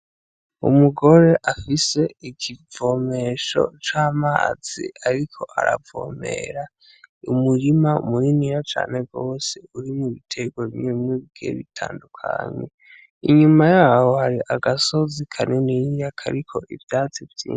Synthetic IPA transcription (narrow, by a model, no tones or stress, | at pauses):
ṵmuɡo̞ɾe̞ʔafise̞ikʰivo̞me̞ʃo̞̰t͡ʃaːma̰ːz̥ḭaɾikʰo̞ʔa̰ɾa̰vo̞̰mḛɾa | umuɾimaṵmuɾiniɾat͡ʃa̰ːne̞vɡo̞ːseuɾimuβitʰe̞ɡwoβimeimeβiɡḛβitʰa̰ːndukʰa̰ɲḛ | iɲumajahohaɾiʔaɡaso̞zikʰanenijakʰa̰ɾikʰo̞ʔivjaːt͡sivjiː